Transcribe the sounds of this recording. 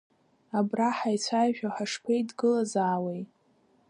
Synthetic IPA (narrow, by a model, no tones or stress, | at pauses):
abraħajt͡sʷʰajʒᶣaħaʂpʰejdɡɨlazaːwej